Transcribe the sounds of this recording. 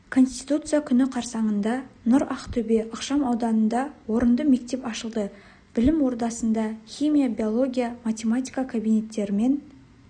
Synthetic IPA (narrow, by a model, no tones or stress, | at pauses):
kʰo̞nst̪i̥jt̪ut̪sɨjakʲʰʏnɪqʰɑɾsɑɴənd̪ɑnʊɾɑqt̪ʰɵbe̞ʔəqʃɑmɑwd̪ɑnənd̪ɑwo̞ɾənd̪əme̞k̚t̪e̞pɑʃəlˠd̪ə | b̥ɪlɪmwo̞ɾd̪ɑsənd̪ɑxʲimʲijabijo̞lˠo̞ɡʲijamat̪ʲe̞mat̪ʲijkakʰabijne̞t̪ːe̞ɾɪme̞n